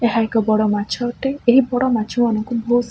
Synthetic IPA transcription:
eɦaekɔbɔɽɔmat͡ʃʰɔʈeeɦibɔɽɔmat͡ʃʰumanɔŋkubʱos

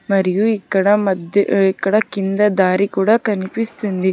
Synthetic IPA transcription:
mɐɾijuikːɐɽɐmɐd̪ikːɐɽɐkind̪ɐd̪aːɾikuːɽɐkɐnipist̪und̪i

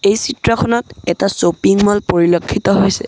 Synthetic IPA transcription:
ejsitɹɔkʰɔnɔtɛtasopiŋmɔlpoɹilokʰːitɔɦojsɛ

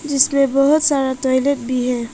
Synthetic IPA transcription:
d͡ʒislebɔɦut̪saɾaʈɔjleʈ̚biɦɛ

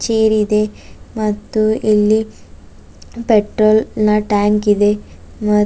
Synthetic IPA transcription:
t͡ʃeːɾid̪emɐt̪ːuilːi | peʈɾoːlnɐʈaːŋkid̪e̞ | mɐ

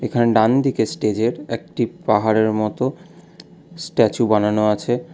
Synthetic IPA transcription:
ekʰaneɖand̪ʱikesʈed͡ʑeɾek̚ʈipaɦaɾeɾmɔt̪o | sʈɛt͡ɕubananoat͡ɕʰe

